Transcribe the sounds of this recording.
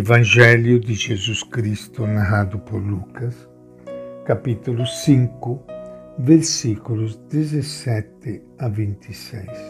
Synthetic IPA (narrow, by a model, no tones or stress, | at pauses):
evand͡ʒɛljud̪id͡ʒezuskɾist̪unaɦaːd̪upoɾlukas | kapit̪ulusiŋkuveɾsikulusd̪ezesɛt̪ːɪ | avint̪ʰisɛjs